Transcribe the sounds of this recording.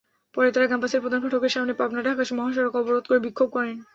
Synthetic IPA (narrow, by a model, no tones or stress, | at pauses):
pɔɾet̪aɾaɡampaseɾpɾod̪ankʰɔʈʰokeɾʃamnepabnaʈakaʃmɔɦaʃ̬ɔɾokɔboɾod̪̚koɾebikʰːob̚kɔɾen